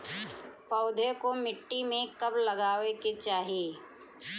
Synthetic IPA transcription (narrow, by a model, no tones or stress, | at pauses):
pɔʊd̪ʱekomɪʈːimẽkɐblɐɡaːweket͡ʃaːɦieː